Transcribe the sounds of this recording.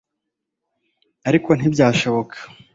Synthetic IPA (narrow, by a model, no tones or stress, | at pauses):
aɾiko̞n̥ibɟaːʃo̞βo̞kʰḁ